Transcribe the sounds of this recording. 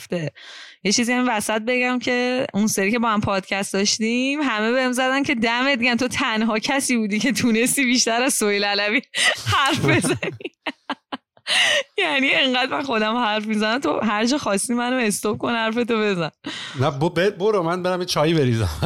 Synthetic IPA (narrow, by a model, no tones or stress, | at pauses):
ft̪ejet͡ʃʰiziːhæmivæsæt̪̚be̞ɟæmcʰe̞unseɾiːcʰe̞bɒːhæmpʰɒːd̪̥cʰæst̪̚d̪ɒʃt̪imɦæmebehemzæd̪æncʰe̞d̪æmet̪̚d̪iɟæmt̪ʰo̞t̪ʰænɦɒːcʰæsiːbuːd̪iːcʰe̞t̪ʰuːne̞st̪iːbiːʃt̪æɾæzsojlælævihæɾfbe̞zæni | jænie̞ŋɢæd̪mænxo̞d̪æmhæɾfmizænæmt̪ʰo̰ɦæɾd͡ʒɒːxɒːst̪imænoe̞st̪op̚kʰo̞nhæɾfe̞t̪obe̞zænnæbobeboɾomænbeɾæmjet͡ʃʰɒːjibeɾizæ̰m